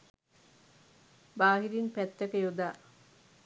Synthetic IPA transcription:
baːɦiɾinpæt̪ːɐkəjod̪aː

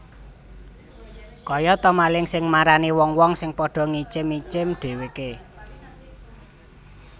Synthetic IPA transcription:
kɔjɔt̪ɔmalɪŋsɪŋmaɾaniwɔŋwɔŋsɪŋpɔɖ̥ɔ̤ŋit͡ʃɪmːit͡ʃɪmɖ̥e̤weke

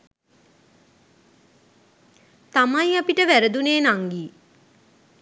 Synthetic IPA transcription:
t̪amajapiʈəʋæɾəd̪uneːnaŋɡiː

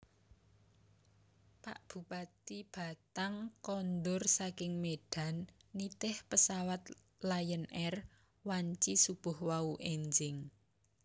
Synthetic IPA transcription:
paʔb̥ṳpat̪ib̥a̤t̪aŋkɔnd̪ʊrsakɪŋmeɖ̥a̤nːit̪ɪhpəsawat̪ | lajənʔɛr | waɲt͡ʃisub̥ʊhwauʔeɲd͡ʒɪŋ

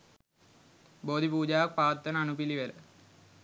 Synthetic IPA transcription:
boːd̪ʱipuːd͡ʑaːʋɐk̚paːt̪ːɐnəɐnupiliʋelə

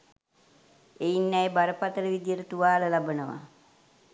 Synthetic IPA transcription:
ejinːæjbaɾəpat̪əɾəʋid̪ijəɾət̪uʋaːləlabənəʋa̰

